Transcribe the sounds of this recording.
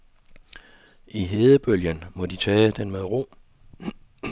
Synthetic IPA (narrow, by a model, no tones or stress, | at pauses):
ʔiɦe̝ːðˠəb̥øljənmɒ̽d̥it͡sʰɛːd̥enmeðˠʁo̝̰ː